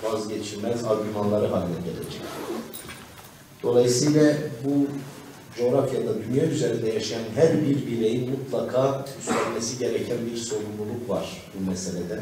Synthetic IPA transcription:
vazɟe̞t͡ʃʰiɾmæzaɾɟymanlˠaɾɯɦalʲːɛelḛd͡ʒɛc | d̪̥o̞lˠajɯsɯjlʲˠabu | d͡ʒo̞ɾafjad̪ad̪ynjayze̞ɾind̪ɛjaʃijanɦæɾbiɾbiɾejinmut̪lˠakʰaːyst̪ælʲmesiɟe̞ɾecʰænbiɾso̞ɾumlˠulˠukva̰ɾ̥ | bumɛse̞lʲed̪ɛ

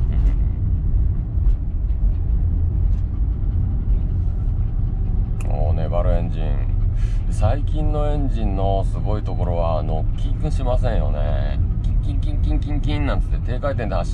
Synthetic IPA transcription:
ɯ̟̃ | mo̰ːne̞baɾɯẽ̞ɲd͡ʑĩŋd̪̥esaikʲĩnːo̞ẽ̞ɲd͡ʑĩnːo̞sɨɡo̞it̪o̞ko̞ɾo̞βaːnokʲĩŋkɯ̟̃ɕimasẽɰ̃jo̞̰ne̞̰kʲiŋkʲĩŋkʲĩŋkʲĩŋkʲĩŋkʲĩnːãnt̪e̥t̪ːet̪e̞ːkait̪̬ẽ̞nd̪eaɕ

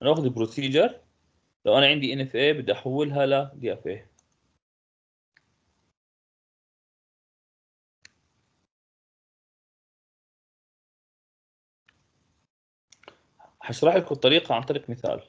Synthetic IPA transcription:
ʔanaʔaːxd̪ibɾusiːd͡ʒɑɾˤ | lawʔanaʕɪnd̪iʔɪnɛfʔeːbɪd̪ːaʔaħawːɪlɦalad̪jʔafʔeː | ħaʃɾˤɑːħʔakut̪ˤːɑɾiːqɑʕant̪ˤɑɾiːqmɪθa̰ːl

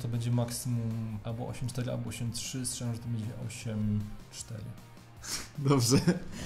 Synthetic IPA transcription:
t̪ɔbɛɲd͡ʑɛmaksɨmumʔalbɔʔɔ̰ɕɛmt͡ʂt̪ɛɾɘa̰lbɔɔɕɛmtʂɘst̪ʂɛãʐɛt̪ɔbɛɲd͡ʑɛʔɔ̰ɕɛmt͡ʂt̪ɛ̰ɾɨ̰ | d̪ɔbʐɛ

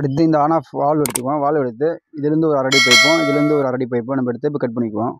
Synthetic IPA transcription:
ɐɽɯt̪̬ːɯɪnd̪ɐaːnaːfʋaːɭʋɐɽɯt̪ːɯkːõːʋaːlʋɛɽɯt̪ːɯɪðɪɾɯnd̪ɯɔɾɯɐɾɐɽip̬ɐːɪpːõːɪðɪlɾɯnd̪ɯɔɾɯɐɾɐɽip̬ɐɪpːõnɐmːɐɛɽɯt̪ːɯɛp̬ːɔɪkɐʈ̚pɐɳːɪkːɯʋõː

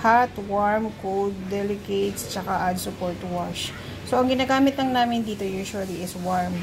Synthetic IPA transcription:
kat̪waɹmkod̪̚ːɛlɪket̪st͡ʃɐkaʔɐd̪̚sʊpoɹt̪waʃ | soʔɐŋɡɪnaːɡaːmɪt̪lɐŋnaːmɪnd̪iːt̪o̞juɹʃʊɐliʔɪswaɹm

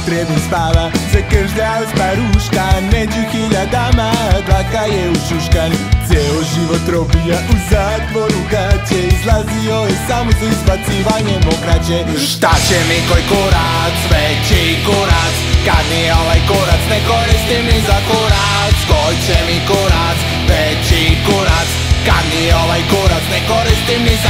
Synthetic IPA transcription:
t̪ɾɛd̪ɛnspalazɛkəɾʒd̪aspaɾuʃkanmɛd͡ʒuxiʎad̪amad̪akajɛuʃuʃkant̪sjɛloʒiʋot̪ɾopijaʔuzat̪ʋoɾukat͡ʃɛizlazioɛsamozaispat̪siʋaɲɛmokɾat͡ʃɛ | ʃt̪at͡ɕɛmikojkoɾa | sʋɛt͡ʃi | koɾaskad̪nioʋajkoɾat͡s̪nɛkoɾist̪imnizakoɔɾa | skojt͡ʃɛmikoɾas | ʋɛ | t͡ʃikoɾaskad̪nioʋajkoɾasnɛkoɾist̪imniz

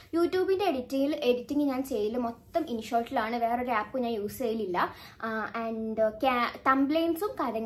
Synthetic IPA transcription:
juːtːjuːbinde̞ːɽitːijile̞ɽitːiŋɡiɲaːnt͡ɕe̞jːɐlumot̪ːɐminʂoːlʈːilaːɳɨʋe̞ːro̞ɾaːpːuɲaːnjuːsejililːɐ | ɐɳɖkakɐmblejnsumkɐðɐŋː

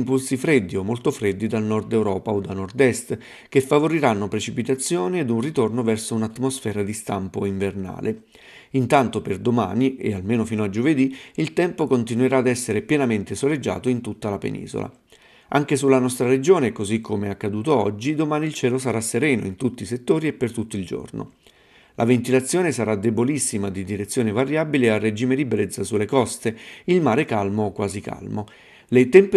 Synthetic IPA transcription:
mpulsifɾed̪ːiomːolt̪ofɾed̪ːid̪alnɔrd̪ɛwɾɔːpaod̪alnɔrd̪ɛst̪ | k̟efːavoɾiɾanːopɾet͡ʃipit̪at̪sːjoːnied̪unrit̪ornovɛrsounat̪ːmosfɛːɾad̪ist̪ampoiɱverna̰ːlʔe | int̪ant̪operd̪oma̰ːniḛalmeːnofiːnoad͡ʒoved̪iilt̪ɛmpokont̪inueɾaːd̪ɛsːeɾepjɛnament̪esoled͡ʒːa̰ːt̪oint̪ut̪ːalapḛnḭːzo̰lʔa̰ | aŋk̟esulːanɔst̪ɾaɾed͡ʒoːnekozikʰːomeɛakːad̪uːt̪oɔ̰d͡ʒːid̪omaːniilt͡ʃɛːlosaɾasːeɾɛːno̰int̪ut̪ːiset̪ːoːɾiepːert̪ut̪ːoild͡ʒo̰rno̰ | lʔa̰vent̪ilat̪sːjoːnesaɾad̪ebolisːimad̪id̪iɾet̪sːjoːnevaɾjaːbilearːed͡ʒiːmed̪ibɾet̪sːasulːekɔst̪eilmaːɾekalmokwaːzika̰lmo | let̪ɛmp

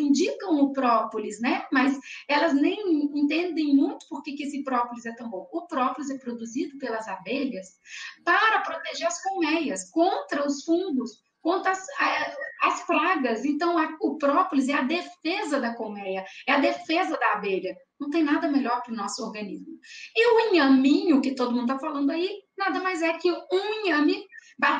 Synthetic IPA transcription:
ĩd͡ʒikɐ̃w̃ʊpɾɔpʊlɪznɛmɐzɛlɐznẽj̃ẽnt̪ẽnd̪ẽj̃mũj̃t̪ʊ̥poɾkekɪesɪpɾɔpʊlɪzɛt̪ɐ̃w̃bõw̃ʊpɾɔpʊlɪzɛpɾod̪uzid̪ʊpelɐzabeʎɐspaɾɐpɾot̪eʒeɾɐskomɛjɐskõnt̪ɾɐʊsfũnd̪ʊs | kõnt̪ɾɐɐsɐɐspɾaɡɐzẽnt̪ɐ̃w̃ɐʊpɾɔpʊlɪzɛɐd̪efezɐd̪ɐkomɛjɐɛɐd̪efezɐd̪ɐabeʎɐnɐ̃w̃t̪ẽj̃nad̪ɐmeʎɔɾpɾʊnɔsʊoɾɡɐ̃nizmʊɪʊĩɲɐ̃mĩɲʊkɪt̪od̪ʊmũd̪ʊt̪afalɐ̃nd̪ʊainad̪ɐmajzɛkɪũĩɲɐ̃mɪba

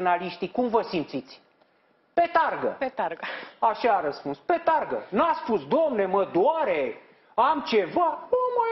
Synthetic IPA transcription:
naliʃt̪ikumvəsimt̪sit̪sʲ | pe̞t̪arɡə̰pet̪aɾɡəaʃaːɾəspunspe̞t̪arɡə̰naspusd̪oamne̞məd̪oaɾe̞ | amt͡ʃe̞vanuama

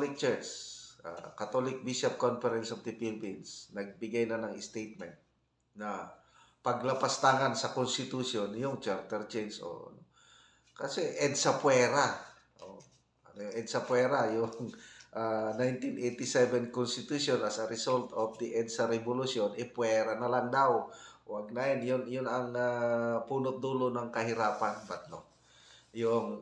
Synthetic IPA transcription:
lɪk̚t͡ʃɛɹt͡ʃa̰kɐt̪olɪk̚biʃɐp̚konfɛɾɛnsɔvd̪ɪpilbinsnɐɡ̚bɪɡajnɐnɐŋɪst̪ejt̪̚mɛnt̪̚ | nɐ | pɐɡlɐpɐst̪aŋansɐkonst̪ɪt̪usjonjʊŋt͡ʃaɾt̪ɛɾt͡ʃɛjnsʔo̰ɐ̰no | kɐsɛʔɛd̪sɐpwɛɾa | ʔo | ɐnojɛd̪̚sɐpwɛːɾajʊŋʔanajnt̪inʔejt̪ɪsɛvɛnkonst̪ɪt̪usjonɐsɐɾɪsolt̪ofd̪iʔɛd̪̚sɐɾɛbolusjonɛpwɛɾanɐlaŋd̪awwaɡ̚naɛnjʊnjʊnɐŋapuːnʊt̪̚d̪uːlonɐŋkɐɦɪɾaːpanbat̪̚no̰ | jʊŋ

